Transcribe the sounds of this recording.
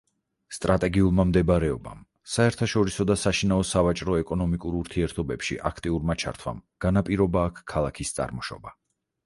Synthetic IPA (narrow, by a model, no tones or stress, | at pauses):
st̪ʼɾat̪ʼɛɡiulˠmamd̪ɛbɾɛɔba̰m | saɛɾt̪ʰaʃɔɾisɔd̪asaʃinaɔsavat͡ʃʼɾɔɛkʼɔnɔmikʼuɾuɾt̪ʰiɛɾt̪ʰɔbɛpʃḭʔa̰kʰt̪ʼiuɾmat͡ʃʰa̰ɾt̪ʰwa̰mɡ̥anapʼiɾɔbaːkʰkʰːalˠakʰist̪sʼa̰ɾmɔʃɔ̰ba